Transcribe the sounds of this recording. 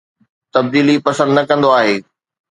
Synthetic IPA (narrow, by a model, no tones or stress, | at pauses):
t̪ɐb̚d̪iːlipɐsə̃nd̪nɐkɐ̃nd̪oaːɦeː